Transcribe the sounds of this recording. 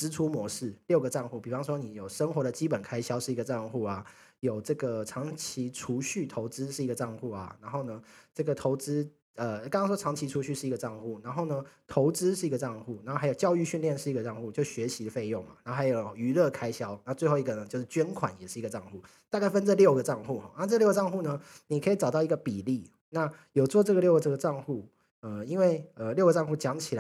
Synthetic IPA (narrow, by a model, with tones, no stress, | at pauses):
ʈ͡ʂɹ̩˥ʈ͡ʂʰu˥mwɔ˧˥ʂɻ̩˥˩ljo˥˩ʊɡə˩ʈ͡ʂɑ˥˧ŋxu˥˩pi˨˩ɑ˧˦ŋʂwɔ˦ni˨˩˦jo˨˩ʊʂə˥ŋxwɔ˧˦d̪ə˨t͡ɕi˦˥pə˨˩nkʰa˥ɪɕjɑ˥ʊʂɻ̩˥˩i˧˥ɡə˨˧ʈ͡ʂɑ˥˧ŋxu˥˩a˩ | jo˨˩ʊʈ͡ʂɤ˥˩ɡə˩ʈ͡ʂʰɑ˧˥ŋt͡ɕʰi˧˥ʈ͡ʂʰu˧˥ɕy˥˩t̪ʰo˧˥ʊt͡sɹ̩˥ʂɻ̩˥˩i˧˥ɡə˩ʈ͡ʂɑ˥˧ŋxu˥˩a̰˩na˧˥nxo˥˩ʊnə˩ʈ͡ʂɤ˥˩ɡə˩t̪ʰo˧˥ʊt͡sɹ̩˥ | ə˧kŋɑ˥ʂwɔ˥ʈ͡ʂʰɑ˧˥ŋt͡ɕʰi˧˥ʈ͡ʂʰu˧˥ɕy˥˧ʂɻ̩˥˩i˧˥ɡə˨˧ʈ͡ʂɑ˥˧ŋxu˥˩na˧˥nxo˥ʊnə˩t̪ʰo˧˥ʊt͡sɹ̩˥ʂɻ̩˥˩i˧˥ɡə˨˧ʈ͡ʂɑ˥˧ŋxu˥˩na˨˧˥o˥˩˧jt͡ɕjɑ˥˧ʊy˥˧ɕy˥˧nljɛ˥˧nʂɻ̩˥˩i˧ɡə˩ʈ͡ʂɑ˥˧ŋxu˥˧t͡ɕjo˥˩ʊɕɥɛ˨˧˥ɕi˧˥d̪ə˨fe˥˧ɪjo˥˩ŋma̰˨˩na˧˥˩a˧˥jo˨˩ʊy˧˥lɤ˥˩kʰa˥ɪɕjɑ˥ʊna˧˥˧t͡swe˥˧ɪxo˥˩ʊi˧˥ɡə˨˩nə˩t͡ɕjo˥˧ʂɻ̩˥˧t͡ɕɥɛ˥nkʰwa̰˨˩˦njɛ˨˩ʂɻ̩˥˩i˧˥ɡə˩ʈ͡ʂɑ˥˧ŋxu˥˩ | t̪a˥˧ka˥˩ɪfə˥nt͡sə˥˧ljo˥˩ʊɡə˩ʈ͡ʂɑ˥˧ŋxu˥˩xɔ̰˨˩na˥˧ʈ͡ʂɤ˥˩ə˧ljo˥˩ə˩ʈ͡ʂɑ˥˧ŋxu˥˩nə˩ni˨˩kʰɤ˧˥i˨˩ʈ͡ʂɑ˨˩ʊt̪ɑ˥˩ʊi˧˥ɡə˧pi˨˩li˥˩ | na˥˩jo˨˩t͡swɔ˥˧ʈ͡ʂɤ˥˩ɡə˩ljo˥˩ʊə˩ʈ͡ʂɤ˥˩ɡə˩ʈ͡ʂɑ˥˧ŋxu˥˩ | ə˩i˦˥nwe˥˩ɪə˩ljʊɡə˩ʈ͡ʂɑ˥˧ŋxu˥˩t͡ɕjɑ˧˥ŋt͡ɕʰi˨˩la˦